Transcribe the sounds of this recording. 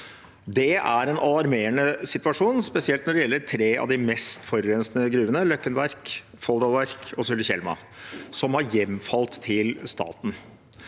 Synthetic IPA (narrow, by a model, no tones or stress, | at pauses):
d̪ɛʔæɾɛnʔɑlɑɾmeːəɳəsɪt̪ʋɑʂuːnspɛsɪɛlt̪nɔɖɛjɛlːəʈʰɾeːɑ̰ʋd̪ɪmɛst̪fɔɾːɛnsnəɡɾʉːənəlœkːənʋæɾk | fɔld̪ɑlʋæɾkʰɔsʉlːçɛ̰lmɑ̰ | sɔmhɑɾjɛmfɑlt̪ʰːɪlst̪ɑ̰ːt̪n̩